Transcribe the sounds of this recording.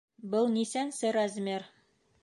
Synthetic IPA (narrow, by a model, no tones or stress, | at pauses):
bɤlˠnisænsɘɾazmʲeɾ